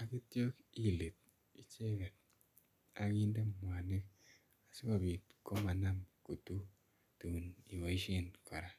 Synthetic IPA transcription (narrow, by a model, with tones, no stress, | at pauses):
a˨ki˦tjo˦ki˦le˨t̚ | i˦t͡ʃe˦kɛ˨t̚ | a˨ki˦nde˦mwa˨ni˦k̚ | a˨si˦ka˨bi˨tko˦ma˨na˦mko˨tu˦ | tu˨ni˨mo˨i˦ʃe˦˨nkɔ˨ɾa˨